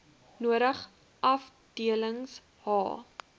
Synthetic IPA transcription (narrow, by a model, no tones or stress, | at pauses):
nuəɾəχ | ʔɐf | d̥iələŋs | hɑ̰ː